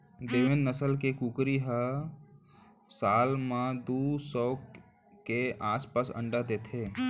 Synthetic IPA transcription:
d̪eːʋenːəsəlkekukɾiɦə | saːlmãd̪usɔːk | keaːspasə̰̃ɳɖad̪et̪ʰe

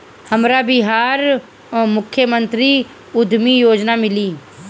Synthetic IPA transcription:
hɐmɾabɪɦaːɾ | mʊkʰːjəmə̃nt̪ɾi | ʊd̪ʱmijoːd͡ʒnamɪliː

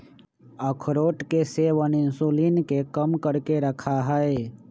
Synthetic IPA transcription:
əkʰɾoːʈkeseːʋənɪnsuːliːnkekəmkəɾkeɾəkʰaɦɛe

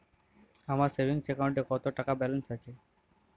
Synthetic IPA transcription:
amaɾsebʱiŋsekawuɳʈekɔt̪oʈakabɛlənsat͡ɕʰe

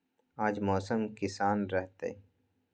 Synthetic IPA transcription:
aːd͡ʒmɔːsəmkɪsaːnɾɛɦt̪ḛ

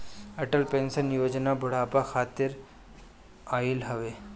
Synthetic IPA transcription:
ɐʈəlpẽːnsənjoːd͡ʒnabʱʊɽ̤aːpaxʰaːt̪ɪɾ | aːɪlɦɐʋeː

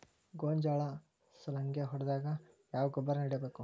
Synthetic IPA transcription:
ɡoːɲd͡ʒaːɭɐ | sɐlɐŋɡeɦɔɽd̪aːɡɐ | jaːʋɐɡɔbɐɾɐniɽɐbeːku

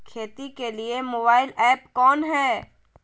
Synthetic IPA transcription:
kʰeːt̪ikeliemoːbaːɪlɛːpkɔːnɦɛː

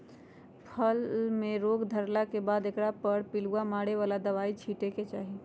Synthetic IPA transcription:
pʰəlmeɾoɡd̪ʱəɾlakebad̪ekɾapəɽpiluamaɽeʋalad̪əβait͡ʃʰiʈeket͡ʃaɦi

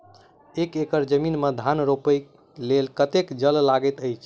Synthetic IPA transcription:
ekekəɾd͡ʒəminməd̪ʱanɾopəj | lelkət̪ekd͡ʒəllaɡət̪əjt͡ʃʰ

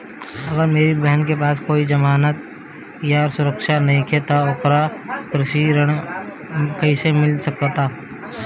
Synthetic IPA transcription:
ɐɡəɾmeːɾibɛɦnkepaːskoːid͡ʒɐmaːnət̪̚ | jaɾsʊɾəkʃanɐɦĩkʰet̪aʊkɾakɾɪʃiɾəɽ̃ | kɐisemɪlsɐkt̪aː

